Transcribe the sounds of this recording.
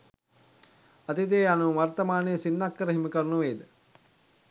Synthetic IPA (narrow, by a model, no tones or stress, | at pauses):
ɐt̪it̪̬eːanuʋɐrt̪əmaːnəjəsinːakːəɾəɦiməkəɾnuʋeːd̪ə